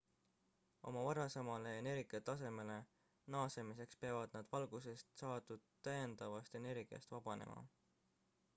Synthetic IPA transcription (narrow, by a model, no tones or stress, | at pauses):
o̞̰mɑvɑɾɑsemɑle̞ːne̞ɾɡiɑt̪ɑse̞me̞le̞ | nɑːse̞mise̞kspeɑvɑd̪̥̚nɑd̪̥vɑlɡ̥use̞st̪sɑːd̪ud̪̥t̪ːæjend̪̥ɑvɑst̪e̞ne̞rɡ̥iɑ̰st̪vɑb̥ɑne̞̰mʔɑ̰